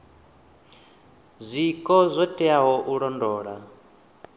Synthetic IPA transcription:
zʷikʼɔzʷɔtʼɛaɦɔʔuɺɔndɔːɺa

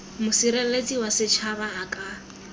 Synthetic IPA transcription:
mʊsiɾɛlet͡sʼiwasɪt͡ʃʰabaːkʼa

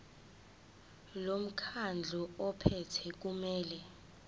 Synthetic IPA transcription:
lom̩kʰand͡ɮʱɔɔpʰɛtʰɛk̬umɛːlɛ

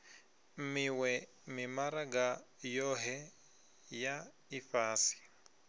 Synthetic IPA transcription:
miwɛ | mimaɾaɡajɔɦɛ | ja | ifaːsi̥

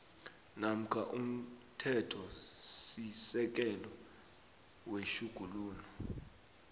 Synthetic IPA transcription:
nam̩kʰaʔum̩tʰɛtʰɔsisɛk̬ɛlɔ | weʃuɡ̥ʱuluːnɔ

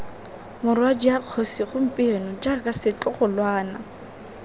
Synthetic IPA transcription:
mʊrwad͡ʒijaq͡χʰosiχʊm̩pʼɪnɔd͡ʒakʼasɪt͡ɬʼʊχʊlwaːna

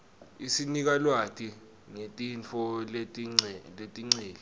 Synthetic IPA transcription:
isinik̬alwatʰʼi | ŋetʼint͡fʰɔleletʼiŋ͡ǀiːli

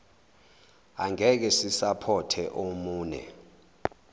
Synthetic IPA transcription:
aŋɛk̬ɛsisapʰɔtʰɛʔomuːnɛ̰

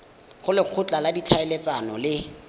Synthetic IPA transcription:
χʊlɪq͡χʰʊt͡ɬʼaladit͡ɬʰaɪlet͡sanɔlɪ

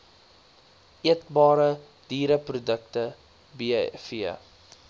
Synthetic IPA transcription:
iət̚bɑːɾə | d̥iːɾəprudək̚tə | bifiə

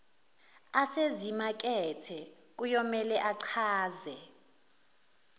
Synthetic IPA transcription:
asezimak̬ʼɛtʰɛ | k̬ʼujɔmɛlɛʔaǀʰaːzɛ

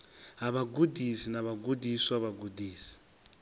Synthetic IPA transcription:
ɦaβaɡudisinaβaɡudiswaβaɡudʱiːsi̥

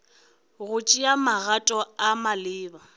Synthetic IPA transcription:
ɣʊt͡ʃʼiamaɣatʼɔamalɪːba

